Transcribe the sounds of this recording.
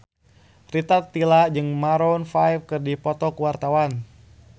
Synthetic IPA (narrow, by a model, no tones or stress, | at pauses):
rit̪at̪ːilad͡ʒɨŋmaɾɔnfajfkɨrdipɔt̪ɔkuwart̪awan